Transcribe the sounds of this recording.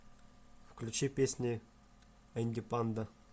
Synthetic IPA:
fklʲut͡ɕipʲesʲnʲɪ | ənʲdʲɪpand̪ə

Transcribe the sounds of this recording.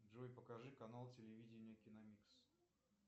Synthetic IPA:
dʐojpəkɐʐɨkɐnalˠtʲɪlʲɪvʲidʲɪnʲɪjəkʲɪnɐmʲiks

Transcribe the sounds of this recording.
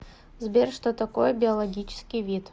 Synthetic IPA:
zbʲerʲʂt̪ot̪ɐkojəbʲɪɐlˠɐɡʲit͡ɕɪ̥skʲɪjvʲit̪

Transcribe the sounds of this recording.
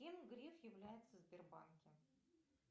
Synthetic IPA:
emɡɾʲefjɪvlʲæjɪt̪səzʲbʲerba̰nkʲɪ

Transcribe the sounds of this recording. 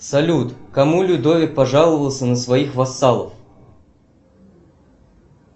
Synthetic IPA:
sɐlʲut̪kɐmulʲʊd̪ovʲɪk̚pɐʐalˠəvəlˠsʲənəsvɐixvɐsːalˠə̰f

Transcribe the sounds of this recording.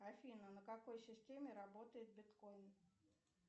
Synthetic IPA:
ɐfʲinənəkɐko̞jsʲɪsʲtʲemʲɪɾɐbo̞t̪əjɪt̪̚bʲɪt̪kojn

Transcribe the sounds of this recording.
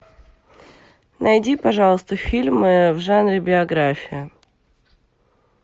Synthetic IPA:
nɐjdʲipɐʐɑlˠəst̪əfʲilʲmɨvʐanɾʲɪbʲɪɐɡɾafʲɪjɪ

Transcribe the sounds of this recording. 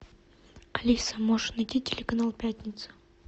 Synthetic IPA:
ɐlʲisəmoʐɨnɐjtʲitʲɪlʲɪkɐnalˠpʲætʲnʲɪt̪sɨ̥

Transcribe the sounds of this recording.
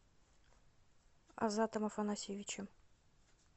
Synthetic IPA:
ɐ̰zat̪əmɐfɐnɐsʲivʲɪt͡ɕɪm

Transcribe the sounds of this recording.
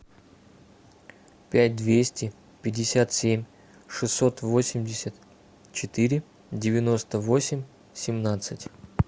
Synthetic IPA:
pʲæt̚ʲd̪vʲesʲtʲɪ | pʲɪdʲɪsʲat̪sʲemʲ | ʂɨsːo̞t̪vo̞sʲɪmʲdʲɪsʲət̪ | t͡ɕɪt̪ɨɾʲɪ | dʲɪvʲɪno̞st̪əvo̞sʲɪmʲ | sʲɪmnat̪sɨtʲ

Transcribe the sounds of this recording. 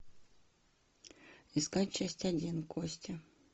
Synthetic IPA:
iskatʲt͡ɕasʲtʲɐdʲinkosʲtʲɪ

